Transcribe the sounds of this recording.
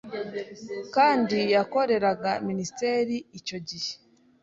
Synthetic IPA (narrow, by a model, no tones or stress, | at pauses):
kaːndijako̞ɾe̞ɾaɡaministeɾiico̞ɟihe̥